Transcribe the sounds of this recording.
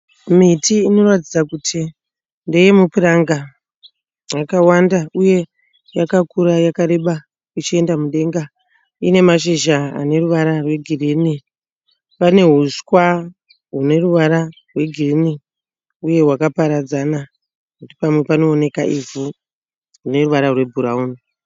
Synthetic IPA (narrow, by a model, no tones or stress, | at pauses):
mitiːno̞ratid͡zakutʰi | ndejemupiraŋɡa | jakawandauje̞ | jakakuɾajakaɾe̞ɓa | it͡ʃie̞ndamuɗe̞ŋɡa | ine̞maʃiʒaa̰ne̞ruʋaɾarwe̞ɡʱirini | pane̞ɦuskwa | ɦune̞ruʋaɾarwe̞ɡʱirini | uje̞ɦwakapaɾad͡zana | kutipamwe̞pano̞ːne̞kaʔivu | rune̞ruʋaɾarwe̞bʱuɾauːni